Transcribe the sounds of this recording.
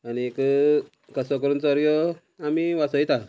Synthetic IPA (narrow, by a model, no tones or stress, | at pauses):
aniekə | kəsɔkəɾuːnt͡sɔɾɡjɔ | amiʋasɔjt̪a